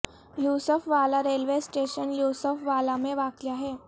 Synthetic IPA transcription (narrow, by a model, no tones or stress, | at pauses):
juːsəfʋaːlaɾeːlʋesʈeʃənjuːsəfʋaːlamẽʋaːkjaɦɛː